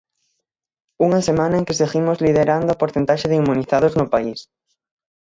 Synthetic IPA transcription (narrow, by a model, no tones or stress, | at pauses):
uŋasemãnɐeŋkɪseɣimʊzliðeɾand̪ʊapoɾθẽnt̪aʃeðimːũniθaðʊznʊpais